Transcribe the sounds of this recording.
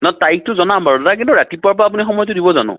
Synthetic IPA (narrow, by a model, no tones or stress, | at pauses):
natajk̚tʊzɔnambaɹɔdakintuɹatipʊap̬ɔaːp̬unixɔmɔjɔtʊdibɔzanʊ̰̃